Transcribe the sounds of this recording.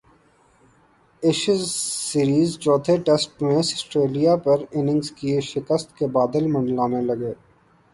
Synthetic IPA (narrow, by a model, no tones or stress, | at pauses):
ɪʃɪzːiːɾiːzt͡ʃɔːt̪ʰeʈɛsʈmẽsəsʈɾeːlijapɐɾɪnɪ̃ŋɡzkiʃɪkəst̪kebaːd̪əlmɐ̃ɳɖlaːnelɐɡeː